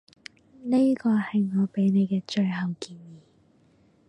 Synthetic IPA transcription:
ne˥kɔː˧hɐ˨jŋɔː˨˧pe˨˥jne˨˧jkɛː˧t͡ʃɵ˧ɥɦɐ˨wkiː˧njiː˨˩

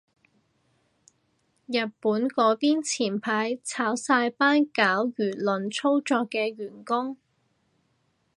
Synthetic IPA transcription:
jɐ˨˩t̚puː˨˥nkɔː˨˥piː˥nt͡sʰiː˨˩npʰaː˨˥jt͡sʰaː˨˥wsaː˧jpaː˥nkaː˨˥wjyː˨˩lɵ˨nt͡sʰo˥wt͡sɔː˧kːɛː˧ɥyː˨˩nkʊ˥ŋ

